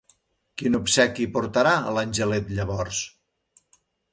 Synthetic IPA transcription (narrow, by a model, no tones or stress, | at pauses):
kinupsɛkipuɾt̪əɾaə̰lənʲʒəlet̪ʎəβɔrs